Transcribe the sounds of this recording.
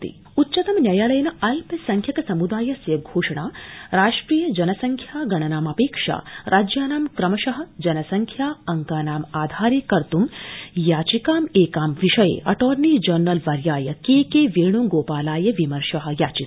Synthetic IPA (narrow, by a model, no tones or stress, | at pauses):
t̪ḭ | utːt͡ʃɐt̪ɐmnjɐjaːlɐjɐnɐɐlpɐsɐŋkʰjɐkɐsɐmud̪aːjɐsjɐɡʱoːʂɐɳ̃aːɾaːʂʈɾiːjɐd͡ʒɐnɐsɐŋkʰjaːɡɐnɐnaːmɐpeːkʂa̰ːɾʔaːd͡ʒjaːnaːmkɾɐmɐʃɐɦɐ̆d͡ʒɐnɐsɐŋkʰjaːɐŋkaːnaːmaːd̪ʱaːɾjekɐɾt̪umjaːt͡ʃikaːmeːkaːmʋiʃɐjḛːʔɐʈoːɾniːd͡ʒɐɾnɐlʋɐɾjaːjɐkeːkeːʋeːɳ̃umɡoːpaːlaːjɐʋimɐɾʂɐɦɐ̆jaːt͡ʃi